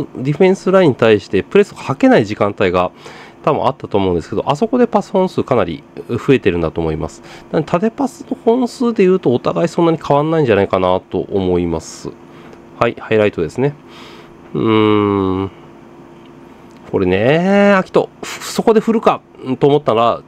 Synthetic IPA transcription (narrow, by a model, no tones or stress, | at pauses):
d̪ʲiɸẽ̞ɰ̃sɨɾaĩɲ̟ːit̪aiɕi̥t̪e̞pɯ̟ɾe̞sɨɡahake̞naiʑikãnt̪aiɡat̪abɯ̰̃ʔa̰t̪ːat̪oːmõ̞̟nd̪esked̪oʔaso̞ko̞d̪e̞pasɨ̥hõ̞ɰ̃sɨːkanaɾʲḭɸɯ̟e̞t̪e̞ɾɯ̟̃nd̪at̪oːmo̞ima̰sɨ̥nant̪ʰat̪e̞pasɨ̥no̞hõ̞ɰ̃sɨːd̪e̞jɯ̟ːt̪o̞ːt̪aɡaisõ̞nːaɲ̟ikʰaβanːaĩɲ̟d͡ʑanaikanat̪o̞̰ʔomo̞imasɨ̰ | haihaiɾait̪o̞d̪e̞sɨne | ko̞ɾe̞ne̞akʲi̥t̪ːo̞̰so̞ko̞d̪e̞ɸɯ̟ɾɯ̟ka | t̪oːmo̞t̪ːaa